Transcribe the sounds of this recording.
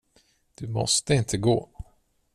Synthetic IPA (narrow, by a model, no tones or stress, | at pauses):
d̪̥ɵmɔst̪əɪnt̪ʰəɡoː